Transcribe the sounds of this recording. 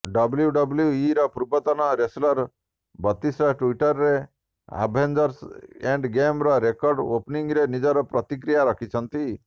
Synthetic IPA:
ɖɔbljuɖɔbljuiɾɔpuɾbɔt̪ɔnɔɾeslɔɾ | bɔt̪ːisɾɔʈuiʈɔɾːe | a̰bʱend͡ʒɔɾseɳɖɡemɾɔɾekɔɾɖopniŋɡɾenid͡ʒɔɾɔpɾɔt̪ik̬ɾijaɾɔkʰit͡ʃʰʌnt̪i

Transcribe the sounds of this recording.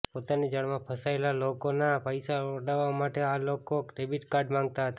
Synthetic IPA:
pot̪anid͡ʒəɭmãpʰəsaelalokonapəjsaəɖaʋamaʈealokoɖebiʈkaɾɖmãŋɡ̚t̪aɦət̪a

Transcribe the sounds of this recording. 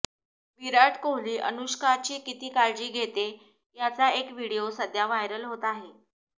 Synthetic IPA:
ʋiɾaʈkoɦliːʔə̰nuɕkʰat͡ɕiːkit̪iːkaɭd͡ʑiːɡʱet̪e | jat͡saekʋiɽiosəd̪ʱjaʋajɾəlɦot̪ːɦe

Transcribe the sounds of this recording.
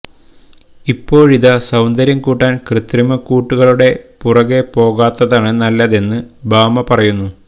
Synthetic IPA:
ipːo̞ːɻiðɐsɐwnd̪ɐɾjɐmkuːʈːaːnkrɨt̪rimɐkuːʈːuɣɐɭuɽe̞purɐɣe̞po̞ːɣaːt̪ːɐðaːɳɨnɐlːɐðe̞nːɨbaːmɐpɐrɐjunːu

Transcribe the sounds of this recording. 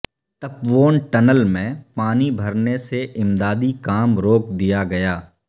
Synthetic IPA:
t̪ɐpʋoːnʈɐnəlmẽpaːnibʱɐɾneseʔɪmd̪aːd̪ikaːmɾoːkd̪ijaɡɐjaː

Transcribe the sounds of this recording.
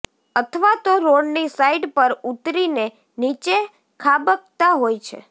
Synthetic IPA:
ət̪ʰəʋat̪oɾoɖnisaiɖpəɾut̪ɾine | nit͡ʃe | kʰabək̚t̪aɦojt͡ʃʰḛ

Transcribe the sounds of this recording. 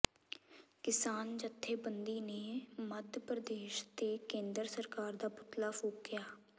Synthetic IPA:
kɪsaːnd͡ʒət̪ʰːeːbənd̪iːneːməd̪pɾəd̪eːʃt̪eːkẽːnd̪əɾsəɾkaːɾd̪aːpʊt̪laːfoːkɪjaː

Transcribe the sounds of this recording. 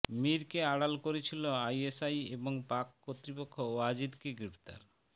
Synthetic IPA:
miɾkeaɽalkoɾet͡ɕʰiloajesajeboŋpakːot̪ːɾipokʰːooad͡ʑid̪keɡɾipt̪a̰ɾ

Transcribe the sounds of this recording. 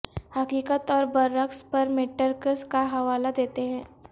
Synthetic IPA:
hɐkiːkət̪ɔːɾbɐɾːəkspɐɾmeːʈəɾkəskaɦɐʋaːlad̪eːt̪eɦɛ̃ː

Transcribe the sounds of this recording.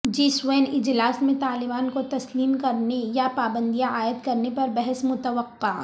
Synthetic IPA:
d͡ʒiːsweːnɪd͡ʒlaːsmẽt̪aːlɪbaːnkot̪ɐsliːmkɐɾnejapaːbə̃nd̪ijãaːɪd̪kɐɾnepɐɾbɛɦɛsmʊt̪əʋəqːaː

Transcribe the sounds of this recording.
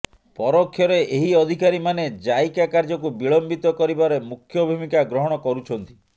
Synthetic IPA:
pɔɾɔkʰːjɔɾeʔeɦiɔd̪ʱikaɾimaned͡ʒajkakaɾd͡ʒɔkubiɭɔmbit̪ɔkɔɾibaɾemukʰːjɔbʱumikaɡɾɔɦɔɽ̃ɔkɔɾut͡ʃʰɔn̪t̪i̥

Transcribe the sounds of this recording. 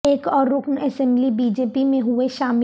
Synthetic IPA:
eːkɔːɾːʊknɛsɛ̃mblibiːd͡ʒeːpimẽɦʊeʃaːmɪ

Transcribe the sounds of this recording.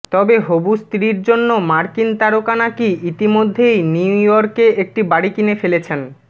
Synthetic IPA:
t̪ɔbeɦobust̪ɾiɾd͡ʑonːomaɾkint̪aɾokanakiʔit̪imod̪ʱːejnujɔɾkeek̚ʈibaɽikinefelet͡ɕʰen

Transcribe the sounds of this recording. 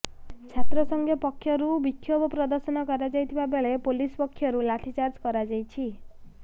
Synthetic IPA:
t͡ʃʰat̪ɾɔsɔŋɡʱjɔpɔkʰːjɔɾubikʰːjobɔpɾɔd̪ɔɾsɔnɔkɔɾad͡ʒajt̪ʰibabeɭepolispɔkʰːjɔɾulaʈʰit͡ʃaɾd͡ʒkɔɾad͡ʒajt͡ʃʰi

